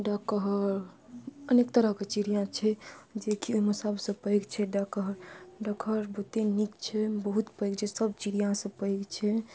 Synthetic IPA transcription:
ɖakəɦɾ | ənekt̪əɾəɦket͡ʃiɾijãt͡ʃʰɛd͡ʒekioɦiməsabsə̃pəjɡt͡ʃʰɛɖakəɦɾɖəkʰəɾbət̪enikt͡ʃʰɛbəɦut̪pəɪɡt͡ʃʰesəb̚t͡ʃiɾijãsə̃pəɪɡt͡ʃʰɛ

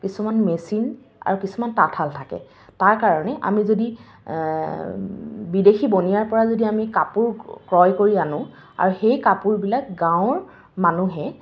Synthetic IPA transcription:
kisumanmesin | a̰ɹukisumantatʰaltʰakɛ̰ | taɹkaɹɔnɛʔa̰mizodi | bidexibonijaɹpɔɹazodiamikapuɹkɹɔjkoɹianʊ̃ | a̰ɹuxejkapuɹbilakɡãʊ̃ɹ | manuɦɛ

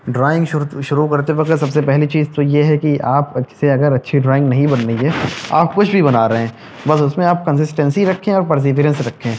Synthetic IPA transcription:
ɖɾaːɪ̃ŋɡʃʊʃʊɾukɐɾt̪eʋɐkt̪sɐbsepɛɦlit͡ʃiːzt̪ojeɦɛkiʔaːpseɐɡəɾɐtːʃʰiɖɾaːɪ̃ŋɡnɐɦĩbɐnːəiɦɛa̰ːp̚kʊt͡ʃʰbʱibɐnaːɾɐɦẽː | bɐsʊsmẽaːp̚kɐ̃nsɪsʈɛ̃nsiɾɐkʰːẽɔːɾpɐɾs̬ɪʋɪɾə̃nsɾɐkʰːẽː

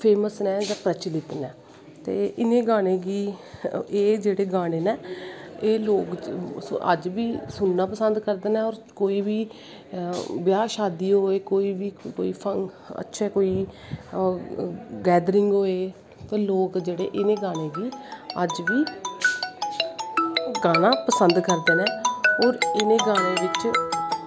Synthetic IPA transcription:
pʰeːməsnɛːd͡ʒãːpɾət͡ʃlɪt̪nɛː | t̪ḛːʔɪnẽːɡaːɽ̃ẽːɡiː | eːd͡ʒeːɽeːɡaːɽ̃eːnɛːeːloːkʔə̰d͡ʒʋiːsʊnːaːpəsənd̪kəɾd̪ənɛːɔːɾkoːiːʋiː | bjaːʃaːd̪iːɦoːeːkoːiːʋiːkoːiːpʰəŋ | ə̰tːʃʰɛːkoːiː | ɡɛːd̪ɾɪŋɡɦoːeː | t̪eːloːkd͡ʒeːɽḛːʔɪnẽːɡaːɽ̃ẽːʋiːəd͡ʒʋiː | ɡaːnãːpəsənd̪kəɾd̪eːnɛ̃ːɔːɾɪnẽːɡaːɽ̃eːʋɪt͡ʃ

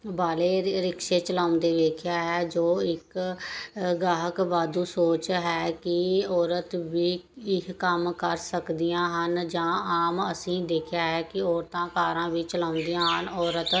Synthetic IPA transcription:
baːleːɾɪkʃeːt͡ʃəlaːnd̪eːʋeːkʰjaːɦɛːd͡ʒoːɪk | ɡaːɦəkʋaːd̪uːsoːt͡ʃɦɛːkɪɔːɾət̪ʋiːɪkkəmkəɾsəkd̪ɪjãːɦənd͡ʒãːaːməsĩːd̪eːkʰjaːɦɛːkɪɔːɾt̪ãːkaːɾãːʋiːt͡ʃəlãːʊ̃nd̪ijãːɦənɔːɾət̪

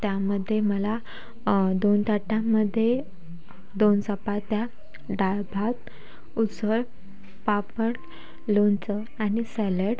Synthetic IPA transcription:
t̪jaməd̪ʱːjeməla | d̪ont̪aʈãmːəd̪ʱːje | d̪onsəpat̪ja | ɖajbʱat̪̚ | ut͡səɾ | papəɳ | lont͡sə | anisɛləɽ

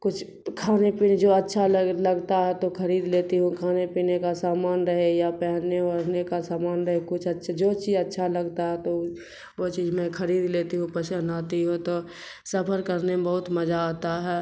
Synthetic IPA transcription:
kʊt͡ʃʰ | kʰaːnepiːned͡ʒoːətːʃʰalləɡt̪aɦɛt̪okʰəɾiːd̪leːt̪iɦũkʰaːnepiːnekasaːmaːnɾəɦejapɛɦneɾnekasaːmaːnɾəɦekʊt͡ʃʰətːʃʰd͡ʒoːt͡ʃiːzətːʃʰaləɡt̪aɦɛt̪o | ʋot͡ʃiːzmẽkʰəɾiːd̪leːt̪iɦũpəʃənaːt̪iɦõt̪o | səpʰəɾkəɾnebəɦʊt̪məd͡ʒaaːt̪aɦɛː

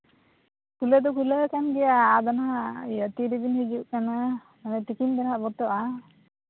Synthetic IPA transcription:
kuləd̪ɔkuləkanɡɛjaːd̪anɦaʔjat̪iɾibinhid͡ʒuʔkana | manɛt̪ikind̪anhaʔbɔt̪ɔʔa

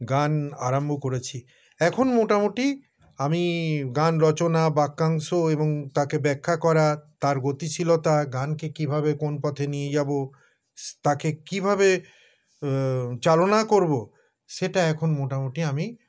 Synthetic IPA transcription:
ɡana̰ɾambʱokoɾet͡ɕʰi | ɛkʰonmoʈamoʈi | amiɡanɾɔt͡ɕonabakːaŋsoeboŋt̪akebɛkʰːakɔɾat̪aɾɡot̪it͡ɕʰilot̪aɡankekibʱaβekonpɔt̪ʰenijed͡ʑabo | t̪akekibʱabe | t͡ɕalonakoɾbo | ʃeʈaɛkʰonmoʈamoʈiami

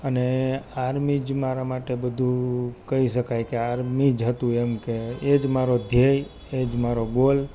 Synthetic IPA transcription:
əneaɾmid͡ʒmaɾamaʈebəd̪ʱukəiʃəkajkeaɾmid͡ʒɦət̪ũemkeed͡ʒmaɾod̪ʱjej | ed͡ʒmaɾoɡol

